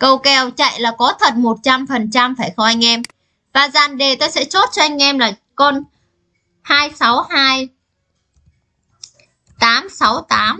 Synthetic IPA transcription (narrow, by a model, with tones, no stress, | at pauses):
kə˧wkɛ˧˩wt͡ɕa̰˧˨jlaː˨˩kɔ˨˦t̪ʰə˨˩t̚mo˨˩t̚t͡ɕa˧mfə˨˩nt͡ɕa˧mfaː˧˩jxɔ˧wʔa˧jŋ̟ʔɛ˧m | vaː˨˩zaː˨˩nɗe˨˩t̪o˧jsɛ̰˧˥t͡ɕo˦˥t̚t͡ɕɔ˧ʔa˧jŋ̟ʔɛ˧mlaː˨˩ | kɔ˧n | haː˧jsa˨˦whaː˧j | t̪aː˨˦msa˨˦wt̪aː˨˦m